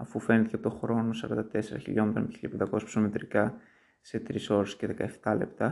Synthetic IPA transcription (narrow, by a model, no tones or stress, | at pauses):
ɐfufe̞net̪cɐpot̪o̞xɾo̞no̞sɐɾɐnd̪ɐt̪e̞se̞ɾɐ̰çḭʎo̞met̪ɾoneiʎɐpend̪ɐko̞sspsomet̪ɾikɐ | se̞t̪ɾiso̞ɾesce̞ðe̞kɐe̞ft̪ɐle̞pt̪ɐ